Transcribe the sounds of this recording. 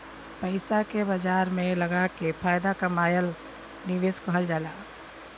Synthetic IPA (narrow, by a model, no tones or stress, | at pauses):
pəɪsakebəd͡ʒaːɾmẽləɡakepʰaːjd̪akamaːjəl | nɪʋeːskəɦəld͡ʒaːlaː